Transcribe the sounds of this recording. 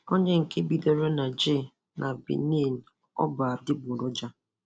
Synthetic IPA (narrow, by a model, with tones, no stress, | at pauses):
o˦ɲe˦ŋ̩˨ke˦bi˦dɔ˦ɾe˦na˨d͡ʒe˦˨ | nʔa˨bḭ˨ne˦˨n̩˨ | ɔ̰˦ba˨a˨dɪ˦bʊ˨ɾɔ˦d͡ʒa˦